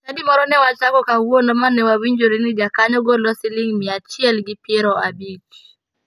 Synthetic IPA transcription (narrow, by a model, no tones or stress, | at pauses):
nadimɔɾɔnɛwat͡ʃakɔkawuonɔmanɛwawiɲd͡ʒoɾinɪd͡ʒakaɲɔɡɔlɔsɪlɪŋmɪat͡ʃiɛlɡɪpjɛɾɔabit͡ʃ